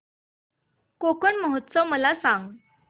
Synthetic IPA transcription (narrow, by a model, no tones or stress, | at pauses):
kokəɳməɦət̪ːsəʋməlasãŋɡ